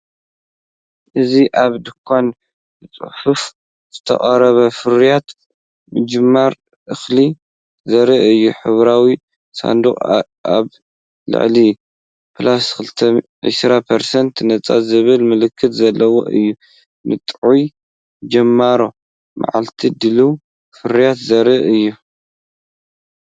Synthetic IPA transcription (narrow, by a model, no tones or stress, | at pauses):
ʔɨziʔaβd̪ɨkʷʰːan | bɨt͡sʼɨ̰ħuf | z̥ɨt̪ʰɐ̰χʼɐɾɐβɐfɨɾijat̪ | mɨd͡ʒɨmːaɾ | ʔɨxli | zɐɾiʔɨjːuħɨβɾawi | sa̰nd̪uχʼ | a̰β | lɨ̰ʕli | pʰlaskɨlt̪ʰɐ | ʕḭʃɾapʰɐɾsɐnt̪nɐt͡sʼa̰zɨβɨlmɨlɨkʰːɨt̪zɐlːɐwo̞̰ʔɨ̰jːu | nʔɨ̰t̪ʼʕuj | d͡ʒɐmːaɾo̞ | ma̰ʕa̰lt̪ʰid̪ɨlu | fɨɾijat̪zɐɾɨʔɨjːu